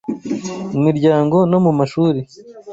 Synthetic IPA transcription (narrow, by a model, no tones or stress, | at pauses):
mumiɾɟaːŋɡo̞no̞mumaʃuːɾi